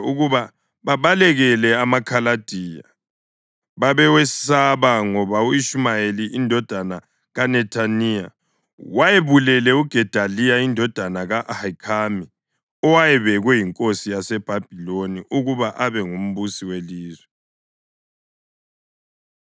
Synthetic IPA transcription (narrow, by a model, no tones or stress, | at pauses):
uɣuβa | βaβalɛɣɛlɛamakʰalad̥ʱiːja | βaβɛwesi̥saβaŋɔβauiʃumajeliʔindʱɔd̥ʱana | ɣanɛtʰanija̰ | wajeβulɛlɛuɡ̥ʱɛd̥ʱalijaindʱɔd̥ʱanaɣaʔhakʰami | ɔwajɛβɛɣwɛjiŋkʼosijasɛb̥ʱab̥ʱiloniʔuɣuβaʔaβɛŋum̩βusiweliːzwɛ